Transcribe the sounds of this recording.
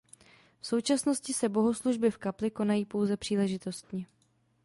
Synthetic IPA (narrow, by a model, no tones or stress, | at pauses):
fso̞wt͡ʃasno̞scɪsɛbo̞ɦo̞sluʒbɪfkaplɪko̞najiːpo̞wzɛpr̝̥iːlɛʒɪt̪o̞st̪ɲɛ